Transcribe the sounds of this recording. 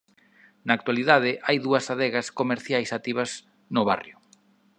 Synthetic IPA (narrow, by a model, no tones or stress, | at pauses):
naːkt̪waliðaðɪʔajðuɐsaðɛɣɐskomeɾθjajsat̪iβɐs | nʊβa̰rjʊ